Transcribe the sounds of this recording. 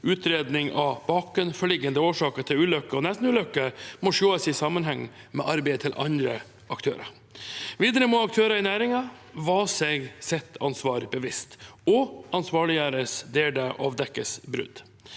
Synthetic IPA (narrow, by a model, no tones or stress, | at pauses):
ʉːt̪ʰɾeːd̪nɪŋɑbɑːkʉnfɔɭɪɡːənd̪əoːʂɑːkəɾt̪ʰɪlʉːlœkːəɔnɛst̪nʉːlœkːəmɔʂoːəsɪsɑmənɦɛŋːmɛ̰ʔɑɾbɛɪt̪ʰɪlʔɑ̰nd̪ɾə | ʔɑkt̪ʰø̰ːɾɑ̰ | ʋiːd̪əɾəmoːɑkt̪ʰøːɾɑɪnæːɾɪŋɑ | ʋɑsɛɡsɛt̪ʰːɑnsʋɑːɾbəʋɪst̪ɔɑnsʋɑːɭɪəɾəsd̪eːld̪əʔɑ̰ʋd̪ɛkːəsbɾʉ̰d̪